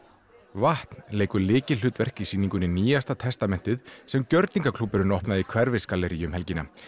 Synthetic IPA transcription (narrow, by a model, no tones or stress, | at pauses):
vaht̪n̥leːjkʏɾlɪːcɪ̥ʏːt̪vɛr̥kisiːniŋkʏnɪniːjast̪at̪ʰɛst̪amɛn̥t̪ɪðsɛmcœɾt̪niŋkakʰlupːɪɾʏnɔhpnaðikʰvɛɾvɪskalɛɾijʏmhɛlcɪna̰